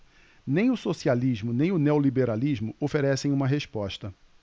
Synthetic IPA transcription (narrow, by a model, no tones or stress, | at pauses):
nẽj̃ʊsosialiʒmʊnẽj̃ʊneolibeɾaliʒmʊofeɾɛsẽj̃ũmɐɦespɔʃt̪ɐ